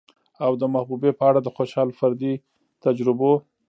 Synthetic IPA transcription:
awd̪əmahbubepəaɽad̪əxoʃɑlfaɾd̪i | t̪ad͡ʒɾɪbo

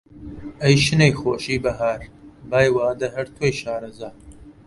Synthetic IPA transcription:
ɐjʃɨnejxoːʃiːbɐɦaːɾbaːjwaːd̪ɐɦɐɾt̪ʰwojʃaːɾɐzaː

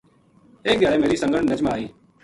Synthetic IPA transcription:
eːk̚ɗ̪ɪjaːɽeːmeːɾiːsə̃ŋɡəɳnəd͡ʒmaːiː

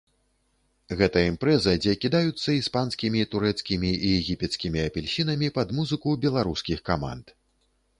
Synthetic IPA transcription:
ɣɛt̪ɐimpɾɛzɐd͡zʲɛkʲid̪ajut̪sːɐispanskʲimʲit̪uɾɛt̪skʲimʲiijɛɣʲipʲɛt̪skʲimʲiɐpʲɛlʲɕinɐmʲipɐd̪muzɨkubʲɛlˠaɾuskʲixkama̰nt̪

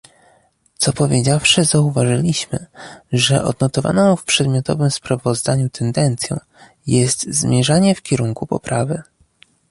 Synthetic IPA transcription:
t̪sɔpɔvʲjed͡ʑafʂɘzauvaʐɘlʲiɕmɘʐɛʔɔ̰d̪nɔt̪ɔva̰nɔ̃w̃fpʂɛd̪mʲjɔt̪ɔ̰vɘmspɾavɔzd̪aɲut̪ʰɛnd̪ɛnt̪sʲjɔ̰̃w̃ | jɛst̪zmʲjɛʐaɲɛfkʲɛɾuŋkupɔ̰pɾavɘ

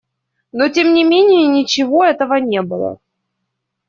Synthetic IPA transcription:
no̞tʲemnʲɪmʲenʲɪjənʲɪt͡ɕɪvo̞ɛt̪əvənʲe̞bɨlˠə̰

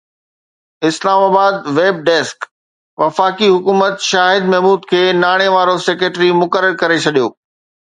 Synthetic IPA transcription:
ɪslaːmaːbaːd̪ʋeːb̚ɖɛːsk | ʋɐfaːkiɦʊkuːmət̪ʃaːɦɪd̪̚mɛɦmuːd̪kʰeːnaːɽ̃eʋaːɾosekɾeːʈɾimʊkəɾəɾkɐɾet͡ɕʰɐɗijoː

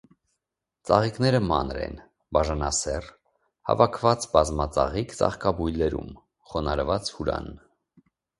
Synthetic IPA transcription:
t͡sɑʁiknɛɾəmɑ̰nɾɛ̰n | bɑʒɑnɑsɛr | hɑ̰vɑkʰvɑt͡sbɑzmɑt͡sɑʁikt͡sɑ̰χkɑbujlɛɾṵm | χɔnɑɾvɑt͡shuɾɑ̰n

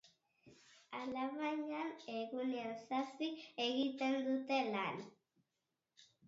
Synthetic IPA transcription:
alaβaɲaneɣuneansasieɣit̪e̞nd̪ut̪e̞lan

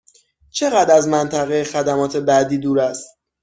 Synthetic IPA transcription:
t͡ʃʰe̞ɣæd̪æzmænt̪ʰæɣejexæd̪æmɒːt̪ʰebæd̪iːd̪uːɾæst̪̚

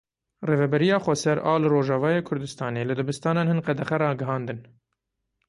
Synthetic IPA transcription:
reːvɛbɛɾijɑːxʷɛsɛɾʔɑːlɨɾoːʒɑːvɑːjeːkʰʊɾd̪ɨst̪ɑːneːlɨd̪ɨbɨst̪ɑːnɑːnhɨnqɛd̪ɛxɛɾɑːɡɨɦɑːnd̪ɨn

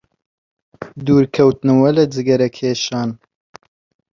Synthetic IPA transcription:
d̪uːɾkʰɐwt̪nɨwɐlɐd͡zɨɡɐɾɐkʰeːʃɑːn

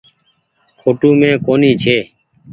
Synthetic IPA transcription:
kʰoːʈuːmẽːkoːniːt͡ʃʰeː

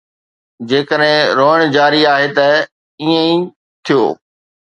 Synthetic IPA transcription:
d͡ʑeːkəɗɦɪ̃ɾoːəɽ̃d͡ʑaːɾiaːɦet̪ɐ | iə̃ĩ | t̪ʰijo̰ː

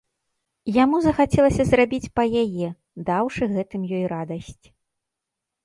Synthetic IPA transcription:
jamuzɐxat͡sʲɛlˠɐsʲɐzrabʲit͡sʲpɐjajɛ | d̪awʂɨɣɛt̪ɨmjɔjrad̪ɐsʲt͡sʲ

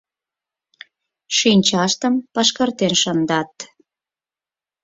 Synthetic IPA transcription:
ʃinʲt͡ɕɑʃt̪əmpɑʃkərt̪enʃənd̪ɑt̪

